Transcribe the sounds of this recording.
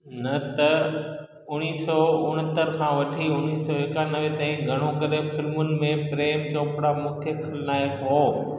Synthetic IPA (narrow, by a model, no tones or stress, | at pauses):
nɐt̪ɐ | ʊñiːsɔːʊɽ̃ət̪əɾkʰãːʋɐʈʰiʊniːsɔːɪkanɐʋet̪aːĩɡʱɐɽ̃okɐɾefɪlmʊnɪ̆mẽpɾeːmt͡ɕɔːpɽamʊ̃ːkʰjekʰɐlnaːekɦoː